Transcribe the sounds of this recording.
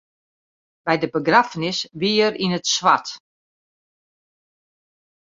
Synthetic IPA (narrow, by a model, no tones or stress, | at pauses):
b̥ɛjdəbəɡrafənɪsʋiərinətswat